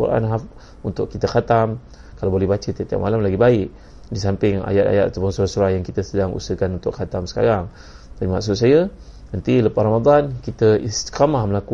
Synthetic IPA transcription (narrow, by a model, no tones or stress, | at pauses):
ṵɾa̰nɦaf | unt̪ʊkkit̪əxat̪am | kalawbolɛhbat͡ʃət̪iat̪ia̰ʔmalamlaɡibaɪk̚ | dis̬ampɪŋa̰jat̪̚a̰jat̪̚at̪apʊnsuɾahsuɾahjaŋkit̪əsədaŋṵsəkanunt̪ʊkxat̪amsə̥ka̰ɾaŋ | d̪aimaksʊt̪̚sajənant̪iləparamad̪ˤankit̪əist̪i̥kamahməlaku